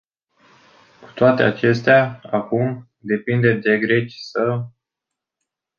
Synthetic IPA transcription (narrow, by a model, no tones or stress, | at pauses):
ku̥t̪oat̪e̞a̰t͡ʃe̞st̪eaakum | d̪e̞pind̪e̞d̪e̞ɡɾe̞t͡ʃisə